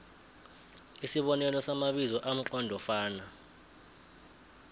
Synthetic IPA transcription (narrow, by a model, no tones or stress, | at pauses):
isiɓɔnɛlɔsamaɓizɔʔam̩ǃɔndʱɔfaːna